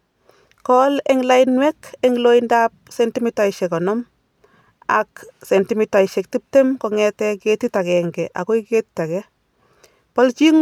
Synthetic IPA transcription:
kɔlɛŋlainwɛkɛŋloindap̚sɛntimitaiʃɛkɔnɔm | aksɛntimitaiʃɛk̚tip̚temkɔŋɛtɛketitakɛŋɡɛʔa̰kɔiketitakɛ | pɔlt͡ʃiŋ

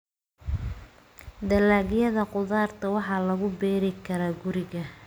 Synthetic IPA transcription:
d̪ɐlaːɣjɐðɐqʊðaːrt̪ʰɐwɑħɑːlɐɣʊbɛːɾɪkʰɐɾaːɡʊɾɪɣɐ

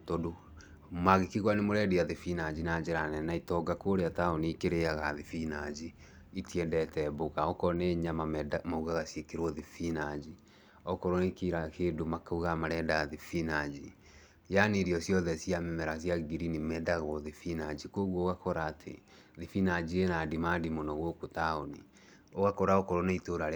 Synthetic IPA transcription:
todo | maɣekiɣwanemoɾɛdeaðefinad͡ʑinad͡ʑeɾanɛnaitɔɡakoɾeataonikeɾeaɣaðefinad͡ʑi | itiɛndɛtɛboɣaɔkɔneɲamamauɣaɣasjekeɾwɔðefinad͡ʑi | ɔkɔɾonekiɾakeːdomakauɣamaɾɛːndaðefinad͡ʑi | janeɾiɔsjɔðɛsiamɛmɛɾas̬jaɡiɾinimɛdaɣɔðefinad͡ʑikoːɣwɔoɣakɔɾaːtʰḛ | ðefinad͡ʑienadimaːdimonɔɣokotaoni | oɣakɔɾaɔkɔɾɔneitoɾaɾ

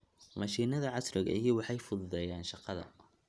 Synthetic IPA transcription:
mɑʃiːnɐðɐʕɑsrɪɣɐ̰ijɔwɑħɑjfʊðʊðɛjaːnʃɑqɑðɐ̰

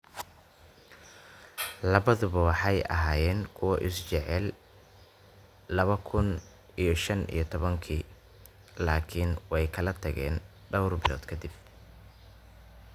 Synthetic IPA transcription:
lɐβɐðʊβɐwɑħɑjʔɐ̰ɦaːjɛːnkʰʊwɐʔɪst͡ʃɛʕɛl | ɐβɐkʰʊn | ijɞʃɐnḭjɞt̪ʰɔβɐŋkʰiː | laːkʰɪnwɛjkʰɐlɐt̪ʰɐɣɛ̰ːn | ɖɐwrbɪlɔ̰ːd̪kʰɐd̪ɪb̚

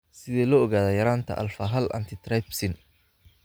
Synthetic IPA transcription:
sɪðɛːlɔːɣaːðɐjɐɾaːnt̪ʰɐ̰ʔɐ̰lfɐɦɐlʔɐ̰nt̪ʰɪt̪ʰrɛjpsɪn

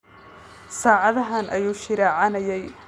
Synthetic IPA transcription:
saːʕɑðɐɦɐnʔɐjuːʃɪɾɛːʕɑnɐjɛj

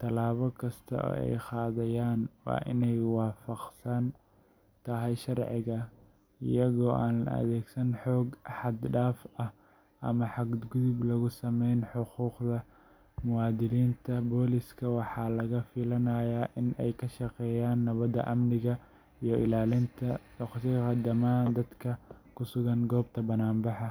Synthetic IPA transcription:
t̪ʰɐlaːβɔkʰɐst̪ʰɐ̰ʔɔ̰ːɛ̰jqɑːðɐjaːnwɑ̰ːʔɪ̰nɛjwɑːfɑqsɐn | t̪ʰɐɦɛjʃɑrʕɪɣɐ | ɪ̰jɐɣɔːʔaːnɐ̰ðɛːɡsɐnħɔːɡʔħɑd̪ɖaːfɐh | ʔɐ̰mɐħɑɡ̪ɡʊðʊblɐɣʊsɐmɛjnħʊquːqd̪ɐ | mʊwɑːd̪ɪliːnt̪ʰɐbɔːlɪskʰɐwɑħɑːlɐɣɐfɪlɐnɐjaːʔɪnʔɛjkʰɐʃɑqɛːjaːnːɐβɐðɐ̰ʔɐmnɪɣɐ | ijɞʔɪlaːlɪnt̪ʰɐdɔχt̪ɪɣɐd̪ɐmaːnd̪ɐd̪kʰɐkʰʊsʊɣɐnɡɔːb̚t̪ʰɐbɐnaːmbɑħɑ

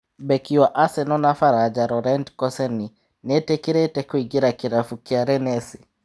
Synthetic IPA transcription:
bɛkiwaʔasɛnɔnafaɾad͡ʒaɾɔɾɛntkɔsɛni | nɛtɛkiɾɛtɛkwiɡiɾakiɾafukiaɾɛnɛsi

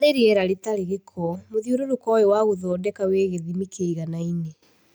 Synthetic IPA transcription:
ɾeɾiɛɾaɾetaɾeɣekʰɔmoðioɾoɾokɔjowaɣoðɔːdɛkaweːɣeðimikʰeiɣanaine

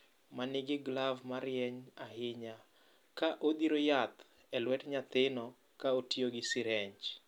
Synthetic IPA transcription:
manɪɡɪɡlavmaɾjɛɲahɪɲa | kaʔod̪iɾojat̪ | ɛlwɛtɲat̪ɪnɔ | kaotioɡɪsɪɾɛɲt͡ʃ

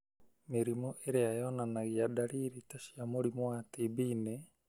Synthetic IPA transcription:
meɾimoʔeɾeajɔnanaɣiadaɾiːɾitaʃiamoɾimowatibiːne

